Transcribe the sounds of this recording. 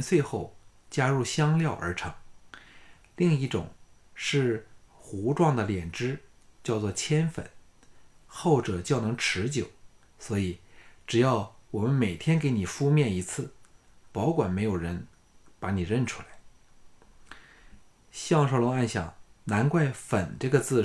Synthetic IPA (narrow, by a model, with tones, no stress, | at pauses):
nt͡swe˥˧ɪxo˥˩ʊ | t͡ɕja˥ɻu˥˩ɕjɑ˥ŋljɑ˥˩ʊʔə̰˞˧˥ʈ͡ʂʰɤ˧˥ŋ | li˥˧ŋi˥˩ʈ͡ʂʊ̰˨˩ŋ | ʂɻ̩˥˩ | xu˧˥ʈ͡ʂwɑ˥˩ŋd̪ə˩ljɛ˨˩nʈ͡ʂɻ̩˥ | t͡ɕjɑ˥˧ʊt͡swɔ˥˩t͡ɕʰjɛ˥nfə̰˨˩˦n | xo˥˩ʊʈ͡ʂɤ˨˩t͡ɕjɑ˥˩ʊnɤ˧˥ŋʈ͡ʂʰɻ̩˧˥t͡ɕjo˨˩˦ʊ | swɔ˧˥i˨˩ʈ͡ʂɻ̩˨˩jɑ˥˩ʊwɔ˨˩mə˦nme˨˩ɪt̪ʰjɛ˥nke˧˥ɪni˨˩fu˥˧mjɛ˥˩ni˧˥t͡sʰɹ̩˥˩ | pɑ˧˥ʊkwa˨˩nme˧˥ɪjo˨˩ʊɻə˧˥n | pa˧˥ni˨˩ɻə˥˩nʈ͡ʂʰu˥la˧˥ɪ | ɕjɑ˥˧ŋʂo˥˩ʊlʊ˧˥ŋa˥˩nɕjɑ̰˨˩˦ŋna˧˥nkwa˥˩ɪfə˨˩nʈ͡ʂɤ˥˩ɡə˩t͡sɹ̩˥˩